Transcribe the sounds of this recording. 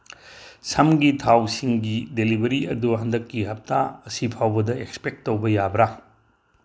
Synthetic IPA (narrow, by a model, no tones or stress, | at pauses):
sʰɐmɡitʰawsiŋɡidelibɐɾiɐ̰duɦɐndɐkːiɦɐp̚taɐsipʰawbɐdɐekspek̚tːowbɐjabɾa